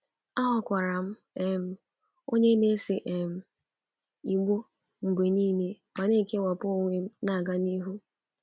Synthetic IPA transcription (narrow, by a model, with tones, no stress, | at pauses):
a˦ɦɔ˦kʷa˨ɾa˨m̩˦ | e˨m̩˦ | o˦ɲe˦ne˦sɪ˨ʔe˨m̩˨ | i˨ɡ͡bo˦ | ŋ͡m̩˨ɡ͡bʷe˨niː˦ne˦ | ma˨ne˦˨ke˦wa˨pʊ˦o˦ŋʷe˦m̩˦na˦˨ɡa˦ni˦ɦu˦